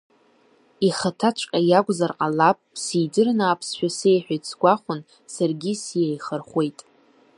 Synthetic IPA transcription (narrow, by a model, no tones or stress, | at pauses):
iχatʰat͡ʃʷʰʼkʲʼajakʷʼzarqʼalapʼsijdɨrnaːpʰsʃᶣase̞jħʷᶣajt͡sʰɡʷaχʷʊn | sarɡʲisjejχərχʷe̞jtʼ